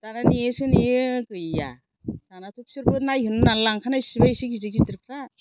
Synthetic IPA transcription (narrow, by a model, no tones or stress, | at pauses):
tananiesɯnikɯja̰ | tanatʰuk̚sɯɾbɯnajɦɯnɯnanlaŋkʰanasibajsiɡiziɡitiɾkʰɾa